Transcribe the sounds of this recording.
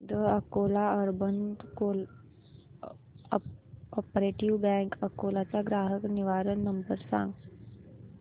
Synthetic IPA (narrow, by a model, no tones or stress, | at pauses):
d̪əɐkoːlaɔɾbənd̪kol | ɔpɾeːʈiʋbɛ̃ːŋkɐkoːlat͡ɕaɡɾaːɦəkniʋaːɾənnɐmbəɾsã̰ːŋɡ